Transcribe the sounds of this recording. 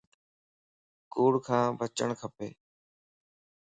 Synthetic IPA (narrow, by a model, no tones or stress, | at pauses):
kuːɽkʰãːbət͡ʃəɳkʰəpḛː